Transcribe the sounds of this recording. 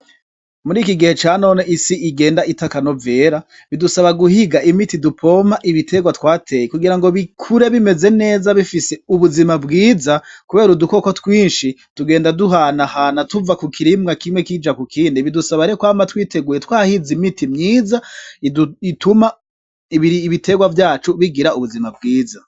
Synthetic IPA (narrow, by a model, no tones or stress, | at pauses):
muɾiːkiɡihe̞t͡ʃaːno̞ːneʔisiiɡe̞ːndaitakano̞ve̞ːɾa | βidusaβaɡuhiɡaʔimitidupʰo̞maʔiβitʰe̞ɡwatwaːtʰe̞jekuɡiɾaŋɡo̞βikʰuɾe̞βime̞ze̞ne̞ːzaβifise̞uβuzimabɡiːzakuβe̞ːɾuduko̞kotwiːnʃituɡe̞ːndaduɦanahanatuvakukʰiɾimɡakimwekid͡ʒakukʰiːndiβidusaβaɾekwaːmatwiːte̞ɡuːjetwaːhizimitimɲiːzaiuituma | iiiːβitʰe̞ɡwavjaːt͡ʃuβiɡiɾauβuzimab̚ɡiːza